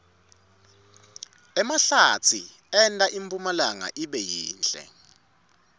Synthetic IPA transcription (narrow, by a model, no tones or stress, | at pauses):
ɛmaɬat͡sʰi | ɛntʼaʔimpʼumalaŋa̰ʔiɓɛjiːnt͡ɬʼɛ̰